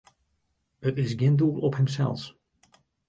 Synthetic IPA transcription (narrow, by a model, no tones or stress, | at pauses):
ətɪs̬ɡɪnduːlˠɔphəmsɛ̰lˠs